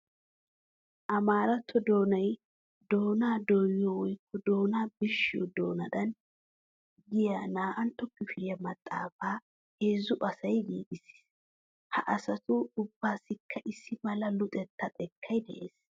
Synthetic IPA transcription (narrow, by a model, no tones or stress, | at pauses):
ʔɐmaːɾɐt̪ʰːɔd̪o̞ːnɐj | d̪o̞ːnaːd̪ojɔwɔjkʰːɔd̪o̞ːnaːbɪʃːɪjɔ̰d̪o̞ːnɐd̪ɐn | ɡɪjanaːʔɐnt̪ɔkːɪfɪɾɪjɐmɐt̪ʼːa̰ːfaː | heːzʊʔɐsɐjɡiːɡɪs | hɐ̰ʔɐsɐt̪ʊʊbːaːsːɪkʰːɐʔɪsːɪmɐlɐlʊt̪ʼɛt̪ːɐt̪ʼɛkʰːɐjd̪ɛ̰ʔe̞ːs